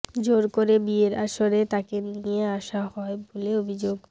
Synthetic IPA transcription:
d͡ʑoɾkoɾebieɾaʃoɾet̪akenieaʃahɔeboleobʱid͡ʑoɡ

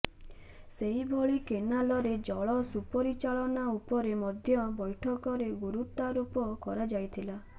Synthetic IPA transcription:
seɦibʱɔɭikenalɔɾed͡ʒɔɭɔsupɔɾit͡ʃaɭɔnaupɔɾemɔd̪ʱjɔbɔjʈʰɔkɔɾeɡuɾut̪aɾupɔkɔɾad͡ʒajt̪ʰila

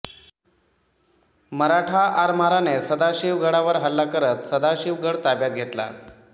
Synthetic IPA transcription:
məɾaʈʰaʔaɾmaɾanesəd̪aɕiʋɡʱəɽaʋəɾɦəlːakəɾət̪səd̪aɕiʋɡəɽt̪abjat̪̚ɡʱet̪la̰

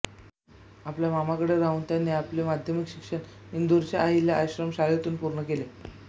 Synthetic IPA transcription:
apljamamakəɽeɾaɦũːnt̪janːiːaplemad̪ʱjəmikɕikʂəɳind̪uɾt͡ɕaʔaɦiljaʔaɕɾəmɕalet̪uːnpuɾɳəkele

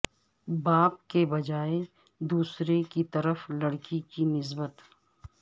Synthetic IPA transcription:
baːp̚kebɐd͡ʒaːe | d̪uːsɾekit̪ɐɾəflɐɽkikinɪs̬bət̪

